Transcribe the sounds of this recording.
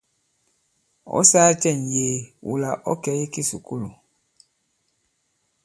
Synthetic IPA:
ɔ̰˦saː˦t͡ʃɛ˦˨njeː˨wṵ˨la˨ʔɔ˦kɛ˨˦ji˦ki˦sṵ˨ku˦lu˨

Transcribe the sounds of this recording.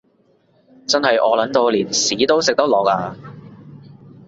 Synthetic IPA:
t͡sɐ˥nɦɐ˨jʔɔː˨˧lɐ˨˥nt̪o˧wliː˨˩nsiː˨˥t̪o˥wsɪ˨k̚t̪ɐ˥k̚lɔː˨˩k̚aː˧

